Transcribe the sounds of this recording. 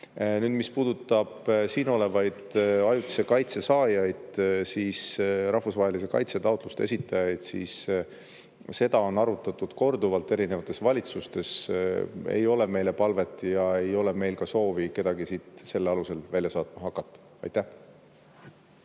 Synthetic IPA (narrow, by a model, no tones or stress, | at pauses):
nyːd̪̥mispuːd̪ut̪ːˑɑb̥siːno̞le̞vɑjd̪̥ɑjut̪ːi̥se̞kɑjt̪se̞sɑːjɑjd̪̥siːsɾɑhfusvɑːɦe̞lis̬e̞kɑ̰jt̪se̞t̪ɑwt̪ˑlust̪ee̞sit̪ːˑɑjɑjd̪̥sḭːs | se̞d̪̥ɑo̞nɑɾut̪ːˑɑt̪ːˑud̪̥ko̞rd̪uvɑlt̪ːˑe̞ɾinevɑt̪ːˑesvɑlʲit̪sust̪e̞s | ḛjo̞le̞me̞jle̞pɑlve̞t̪ːˑjɑe̞jo̞le̞me̞jlkɑso̞ːvike̞d̪̥ɑɡ̥isiːt̪se̞lːeɑluse̞lvælʲjɑsɑːt̪̚mɑɦɑkːˑɑt̪ːɑ̥ | ɑ̰jt̪æh